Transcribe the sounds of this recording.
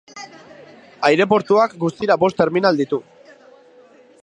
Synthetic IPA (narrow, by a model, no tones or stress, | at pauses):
ajɾe̞po̞ɾt̪uakɡust̪iɾabo̞st̪e̞ɾminald̪it̪u